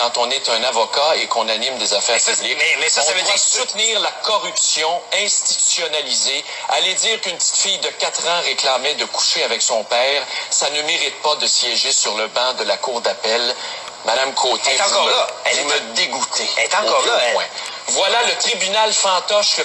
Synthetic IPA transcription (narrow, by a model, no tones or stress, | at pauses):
kɑ̃t̪ɔ̃net̪œ̃navɔkaekɔ̃nanɪmd̪ezafɛːʁpylɪkɛsɔ̃avvɛsut̪niːʁlakɔʁypsjɔ̃ɛ̃st̪i̥t̪y̥sjɔnalize | alɛd̪iːʁkynpət̪i̥t̪fijd̪əkat̪ʁɑ̃ʁeklamɛd̪əku̥ʃeavɛksɔ̃pɛːʁsanəmeʁit̪̚pad̪əsjɛʒesyʁləbɑ̃d̪əlakuːʁd̪apɛl | mad̪amkʰoːt̪et̪ɑ̃kɔʁlavuməd̪eɡut̪ʰet̪ɑ̃kɔʁlawɛ̃ | vwalalət̪ʁibynalfɑ̃t̪ɔʃə